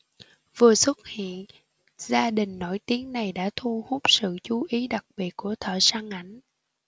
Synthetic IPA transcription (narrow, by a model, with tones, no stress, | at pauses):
vɨ˨˩əswə˦˥t̚hḭ˧˨ən | zaː˧ɗï˨˩ŋ̟no˧˩jt̪i˨˦əŋna˨˩jɗa̰ː˧˥t̪ʰu˧hu˦˥k͡p̚sɨ̰˧˨t͡ɕu˨˦ʔi˨˦ɗa˨˩k̚ɓi˨˩ət̚ku˧˩ət̪ʰə̰ː˧˨saː˧ŋʔa˧˩jŋ̟